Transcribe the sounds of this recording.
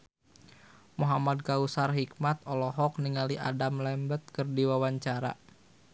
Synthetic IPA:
muɦamad̚kausarɦik̚mat̪̚ɔlɔɦɔk̚niŋaliʔa̰damlɛmbət̪̚kərdiwawaɲt͡ʃaɾa̰

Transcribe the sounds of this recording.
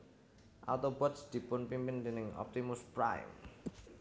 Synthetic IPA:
ʔa̰t̪obɔt̪sd̪̥i̤pʊnpimpɪnd̪enɪŋɔ̰p̚t̪imʊspɾa̰j̰m

